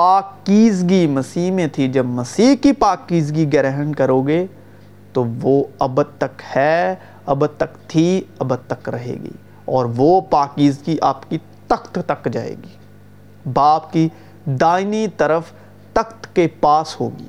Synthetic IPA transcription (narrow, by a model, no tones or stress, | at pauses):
paːkiːzɡimɐsiːɦmẽt̪ʰid͡ʒɐbmɐsiːɦkipaːkiːzɡiɡɛɾɛɦənkɐɾoːɡe | t̪oʋoɐbəd̪̚t̪ɐkhɛː | ɐbəd̪̚t̪ɐkt̪ʰiɐbəd̪̚t̪ɐkɾɐɦḛːɡḭː | ɔːɾʋopaːkiːzɡiʔaːpki | t̪ɐkt̪t̪ɐkd͡ʒaːḛːɡiː | baːpki | d̪aːɪnit̪ɐɾəf | t̪ɐkt̪kepaːsho̰ːɡḭː